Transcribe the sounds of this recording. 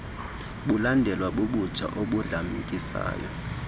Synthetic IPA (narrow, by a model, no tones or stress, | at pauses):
ɓulandʱɛlwaɓuɓud̥t͡ʃʰʼa̰ʔoɓuɮamikʼisa̰ːjɔ̰